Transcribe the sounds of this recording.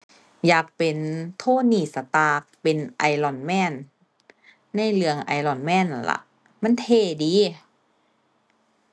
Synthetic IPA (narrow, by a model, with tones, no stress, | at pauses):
jaː˨˩k̚pe˨nt̪ʰoː˧˥˨niː˧˩sa˧t̪aː˧k̚pe˨nʔa˨˩jlɔ˨˩nmɛː˧˥˩n | a˧˥˨jlɯ˧əŋʔa̰˨˩jlɔ˨˩nmɛː˧˥˨n˧˩la̰˧˩ʔ | ma˧˥˨nt̪ʰeː˧˩˨diː˨˦